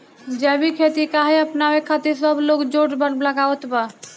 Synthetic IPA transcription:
d͡ʒɛbʱikʰet̪ikaɦeəpnamekʰat̪iɾsəbloːɡd͡ʒoʈbənbləɡawət̪ba

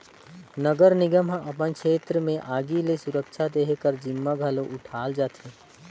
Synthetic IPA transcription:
nəɡəɾnɪɡəmɦãʔɐpənkʃeːt̪ɾəmẽʔaːɡilesʊɾəkʃʰad̪eːɦkəɾd͡ʒɪmːaɡʱəloʔʊʈʰaːld͡ʒaːt̪ʰeː

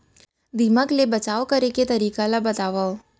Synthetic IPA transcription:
d̪iməklebət͡ʃaʋokəɾeket̪əɾikalabət̪aʋao

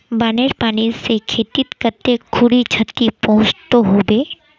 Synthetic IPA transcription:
baːneɾpaːnisekʰeːt̪it̪kəɾt̪ekʰʊɽit͡ʃʰət̪ːipɔ̃ɦːt͡ʃt̪oɦoːbeː

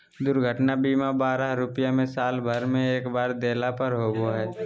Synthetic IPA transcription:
d̪ʊɾɡʱəʈnabiːmabaːɾaɦɾʊpjamẽsaːlbʱəɾmẽeːkbaːɾd̪eːlapəɾɦoːɡoɦɛː

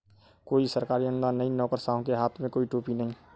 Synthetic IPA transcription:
koːisəɾkaːɾiənʊd̪aːnːəɦĩnɔːkəɾsaːɦõkeɦaːt̪ʰmẽkoːiʈoːpinɐɦĩ

